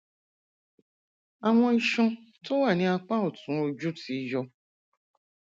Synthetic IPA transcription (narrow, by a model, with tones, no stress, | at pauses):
a˨w̃ɔ̃˧i˧ʃɔ̃˧to˦wa˦˨nĩ˨˦a˧k͡pã˦o˦˨tũ˨˦o˧d͡ʒu˦ti˨˧jɔ˧